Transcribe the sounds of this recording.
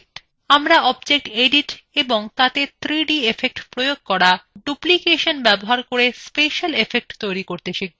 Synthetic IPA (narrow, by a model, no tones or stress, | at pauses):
amɾaɔbd͡ʑek̚ʈeɖiʈ | eboŋt̪at̪et̪ʰɾiɖiefek̚ʈpɾojoɡ̚kɔɾaɖuplikeʃonbɛboɦaɾkoɾespeʃalefek̚ʈt̪ojɾikoɾt̪eʃik̚